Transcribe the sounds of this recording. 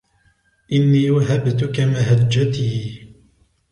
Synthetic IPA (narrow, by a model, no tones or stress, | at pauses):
ʔɪnːiːwaɦabt̪ʊkamaɦad͡ʒːat̪iː